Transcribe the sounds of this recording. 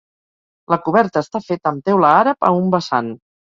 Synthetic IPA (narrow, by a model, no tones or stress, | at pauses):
ləkuβɛɾt̪əːst̪afet̪əmt̪ewləaɾəpə̰umbəsan